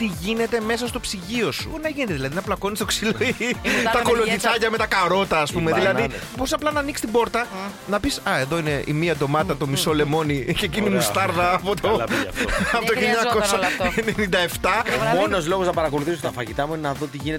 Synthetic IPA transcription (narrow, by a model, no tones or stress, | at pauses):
t̪iʝine̞t̪e̞me̞sɐs̬t̪o̞psiʝio̞sṵnɐʝinet̪eðilɐðinɐplɐko̞nist̪o̞ksiloit̪ɐko̞locit͡sɐcɐme̞t̪ɐkɐɾo̞t̪ɐːspumeðilɐðibo̞ɾisɐplɐnɐnikst̪ibo̞ɾt̪ɐ | nɐpisɐe̞ðo̞ine̞ʔḭmiɐd̪o̞mɐt̪ɐt̪o̞misolemo̞nicecinimust̪ɐɾðɐːpot̪o | pot̪oçiloɲɐko̞sɐenenind̪ɐe̞ft̪ɐmono̞zlo̞ɣoznɐpɐɾɐko̞luθisot̪ɐfɐʝit̪ɐmuinenɐðo̞t̪iʝinet